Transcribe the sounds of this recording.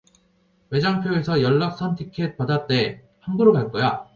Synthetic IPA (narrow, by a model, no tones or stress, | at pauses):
we̞d͡ʑaŋpʰjoesʰʌjʌɭːak̚s͈ʰʌntʰikʰet̚p͈adat͈e̞ | hambuɾobaɭk͈ʌja